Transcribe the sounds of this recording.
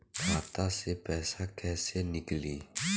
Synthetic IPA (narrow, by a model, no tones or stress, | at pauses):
b̥at̪aseb̥ɛsakʰɛseniɡəli